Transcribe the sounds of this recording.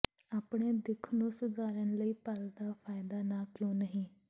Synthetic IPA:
aːpɳeːd̪ɪkʰnũːsʊd̪aːɾənləiːpəld̪aːpʰaːɪd̪aːnaːkjõːnəɦĩː

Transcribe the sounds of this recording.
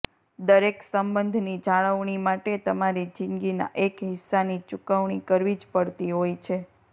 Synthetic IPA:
d̪əɾeksəmbənd̪ʱnid͡ʒaɭəʋɳimaʈet̪əmaɾid͡ʒɪŋɡina̰ʔekɦɪsːanit͡ʃukəʋɳikəɾʋid͡ʒpəɽt̪iɦojt͡ʃʰe

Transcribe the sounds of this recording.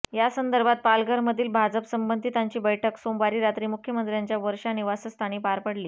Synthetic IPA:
jasənd̪əɾbʱat̪̚palɡəɾməd̪ʱiːlbʱad͡zəpsəmbənd̪ʱiːt̪aɲt͡ɕiːbəjʈʰəksombaɾiːɾat̪ɾiːmukʰjəmənt̪ɾjaɲt͡ɕjaʋəɾʂaniʋasəst̪ʰaɽ̃iːpaɾpəɽliː

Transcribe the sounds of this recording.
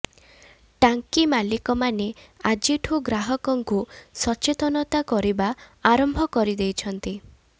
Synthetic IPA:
ʈaŋkimalikɔmanead͡ʒiʈʰuɡɾaɦɔkɔŋkusɔt͡ʃet̪ɔnɔt̪akɔɾibaaɾɔmbʱɔkɔɾid̪ejt͡ʃʰɔnt̪i

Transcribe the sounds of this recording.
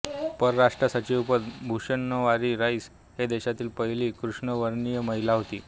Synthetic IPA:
pəɾɾaʂʈɾəsat͡ɕiupəd̪bʱuɕənːəʋaɾiːɾaiːs | ɦed̪eɕat̪iːlpəɦiliːkɾuʂɳəʋəɾɳijəməɦilaɦot̪ḭː

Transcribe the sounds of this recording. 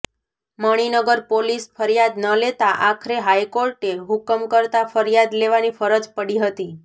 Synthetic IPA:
məɽ̃inəɡəɾpolisfʰəɾjad̪nəlet̪aʔakʰɾeɦajkoɾʈeɦukəmkəɾt̪afəɾjad̪leʋanifəɾəd͡ʒpəɽiɦət̪i

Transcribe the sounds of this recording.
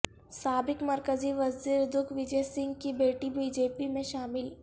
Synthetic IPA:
saːbɪkmɐɾkəziʋɐziːɾd̪ʊkʰʋɪd͡ʒejsɪ̃ŋɡkibeːʈibiːd͡ʒeːpimẽʃaːmɪl

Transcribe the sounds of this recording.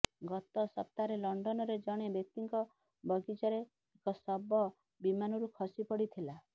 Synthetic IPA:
ɡɔt̪ɔsɔp̚t̪aɾelɔɳɖɔnɔɾed͡ʒɔɽ̃ebek̚t̪iŋkɔ | bɔɡid͡ʒɔɾeː | kɔsɔbɔ | bimanɔɾukʰɔsipɔɽit̪ʰila

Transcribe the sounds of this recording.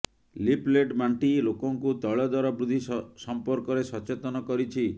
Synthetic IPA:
lipleɖmaɳʈilokɔŋkut̪ɔɭɔd̪aɾɔbɾud̪ʱisɔmpɔɾkɔɾesɔt͡ʃet̪ɔnɔkɔɾit͡ʃʰi

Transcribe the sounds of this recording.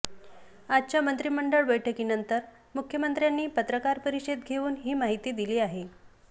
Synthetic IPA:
ad͡ʑ̚t͡ɕjamənt̪ɾiːməɳɖəɭbəjʈʰəkiːnənt̪əɾ | mukʰjəmənt̪ɾjanːiːpət̪ɾəkaɾpəɾiɕed̪̚ɡʱeuːnɦiːmaɦit̪iːd̪iliːaɦe

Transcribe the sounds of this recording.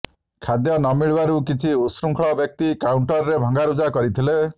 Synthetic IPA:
kʰad̪jɔnɔmiɭbaɾukit͡ʃʰiusɾuŋkʰɭɔbjɔk̚t̪ikawuɳʈɔɾɾebʱɔŋɡaɾud͡ʒakɔɾit̪ʰile

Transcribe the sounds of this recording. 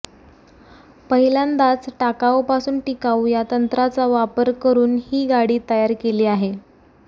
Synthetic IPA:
pəɦiland̪at͡sʈakaʋpasuːnʈikawjat̪ənt̪ɾat͡saʋapəɾkəɾuːnhiːɡaɽiːt̪əjaɾkeliːaɦe

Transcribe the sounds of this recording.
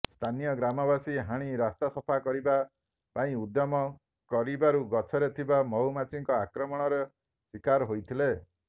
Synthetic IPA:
st̪ʰanijɔɡɾamɔbasiɦaɽ̃iɾast̪asɔpʰakɔɾiba | paĩud̪jɔmɔ | kɔɾibaɾuɡɔt͡ʃʰɔɾet̪ʰibamɔumat͡ʃiŋkɔakɾɔmɔɽ̃ɔɾe | swikaɾɦojt̪ʰile

